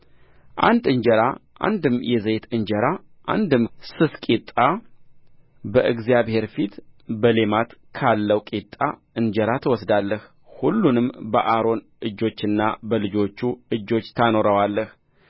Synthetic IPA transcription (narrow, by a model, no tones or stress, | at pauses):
ʔa̰nd̪ɨɲd͡ʒəɾaʔa̰nd̪ɨmːjɛzet̪ɨnd͡ʒəɾa | ʔa̰nd̪ɨmsɨskʼit̪ʼːa | bəʔɨɡzijaβhe̞ɾfit̪bəle̞mat̪kʰalːəwkʼit̪ʼːa | ɨnd͡ʒəɾat̪ʰəwɔsd̪alːəh | hulːunɨmbə̰ʔaɾo̞n | ʔɨd͡ʒːo̞t͡ʃːɨnːabəlɨd͡ʒo̞t͡ʃːuɨd͡ʒːo̞t͡ʃːt̪ʰano̞ɾəwalːəh